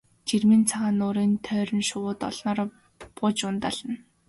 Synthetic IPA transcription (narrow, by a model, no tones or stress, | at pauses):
t͡ɕirmĭnt͡sʰaʁaːnʊːɾiːnt̪ʰœːɾʲɘ̆nʃʊwʊːt̪ɔ̰ɮ̥nɔːr | pʊːt͡ɕʊnt̪aɮ̥ə̆n